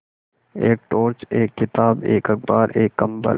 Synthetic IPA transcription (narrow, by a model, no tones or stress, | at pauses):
eːk̚ʈoːɾt͡ʃeːkːɪt̪aːbeːkɐk̚baːɾeːkːɐ̃mbə̰l